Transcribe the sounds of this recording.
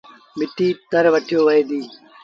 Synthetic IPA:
mɪʈiːt̪ɐɾʋɐʈʰijoːʋɐed̪iː

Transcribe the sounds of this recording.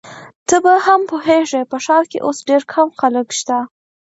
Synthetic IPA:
t̪əbahampoɦeʒepəʃɑɾkḛʔosɖeɾkʰamxaləkʃt̪a

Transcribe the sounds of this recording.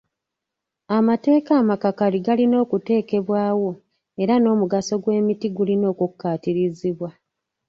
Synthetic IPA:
amate̞ːkaːmakakaliɡalino̞ːkute̞ːke̞βwaːwo̞ | e̞ɾano̞ːmuɡaso̞ɡwe̞ːmitiɡulino̞ːkukːaːtiɾiziβwa

